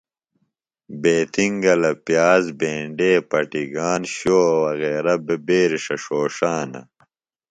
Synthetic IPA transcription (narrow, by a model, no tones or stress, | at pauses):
beːt̪ʰiŋɡɐlɐpjaːzbeːɳɖeːpɐʈiɡaːnɕoːwɐɣeːɾɐbebeːɾiʂɐʂoːʂaːnɐ̰